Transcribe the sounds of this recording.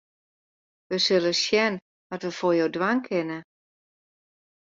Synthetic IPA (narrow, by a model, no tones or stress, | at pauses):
ʋəsøləsjɛn | ʋɔtʋəfoːjowdwaŋkʰɪnə